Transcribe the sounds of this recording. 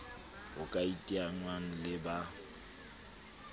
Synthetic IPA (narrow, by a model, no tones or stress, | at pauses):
ʊkʼaitʼiaŋwaŋ̩lɪba